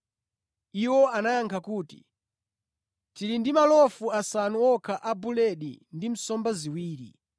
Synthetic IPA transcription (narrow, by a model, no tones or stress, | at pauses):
iwɔanajaŋkʰakuːti̥̰ | tiɾindimalɔfuasanuɔkʰaʔabulɛɗḭndim̩sɔmbaziwiːɾḭ